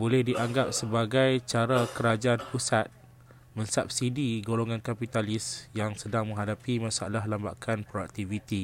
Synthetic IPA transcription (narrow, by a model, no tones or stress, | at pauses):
bolɛhdiʔaŋɡap̚səbaɡajt͡ʃaɾakəɾad͡ʒaʔanpusat̪̚ | mə̃nsap̚sidiɡoloŋankapit̪alɪsjaŋsədaŋmə̃ŋɦadapimãsaalaɦlambakʰanpɾoak̚t̪ivit̪i